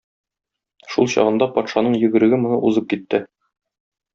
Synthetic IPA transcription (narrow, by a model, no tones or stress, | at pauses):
ʃulˠɕɒ̰ʁɤ̆nd̪ɑpɒt̪ʃɑnɤɴjɘ̆ɡɘ̆ɾɘ̆ɡɘmŏnɤʔuzɤp̚kit̪ːɘ